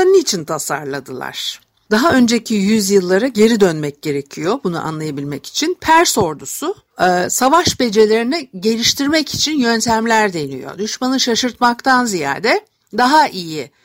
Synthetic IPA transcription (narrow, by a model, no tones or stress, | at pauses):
anɯːt͡ʃʰint̪ʰasa̰ɾlˠad̪ɯlˠa̰ɾ̥ | d̪̥aɦaø̞nd͡ʒe̞cʰijyzjɯlˠːaɾaɟe̞ɾid̪ønmɛc̚ɟe̞ɾe̞cʰijo̞bunṵʔa̰nlˠajabilʲmɛci̥t͡ʃʰinpʰæɾso̞ɾd̪usʊ | savaʃbe̞d͡ʒe̞lʲe̞ɾinɛɟe̞lʲiʃt̪ʰiɾmɛci̥t͡ʃʰinjø̞nt̪ʰæmlʲæɾd̪ejnḭjo̰d̪yʃmanɯʃaʃɯɾt̪makt̪ʰanzija̰ːd̪ɛ | d̪aɦaʔiji